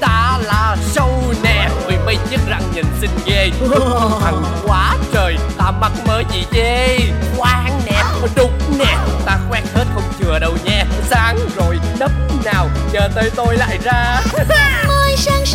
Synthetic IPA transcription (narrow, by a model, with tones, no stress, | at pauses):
t̪aː˧laː˨˩sə˧wnɛ˧˨˩vɨ˨˩jmə˧jɲɨ˦˥t̚za˨˩ŋɲɨ˨˩nsï˧ŋɣe˧˨˧ | t̪ʰa˨˩ŋkwaː˨˦t͡ɕəː˨˩jt̪aː˧mə˦˥t̚məː˨˦jzi˨˩ve˧˦kwaː˧ŋnɛ˨˩p̚ːɗʊ˨˦ŋ͡mnɛ˨˩˨t̪aː˧xwɛ˨˦n̚he˦˥t̚xə˧wŋ͡mt͡ɕɨ˨˩əɗə˧wɲɛ˧saː˨˦ŋzo˨˩jɗə˦˥p̚naː˨˩wɲəː˨˩t̪əː˨˦jt̪o˧jla̰ː˧˨jzaː˧ | əː˧jsaː˧ŋ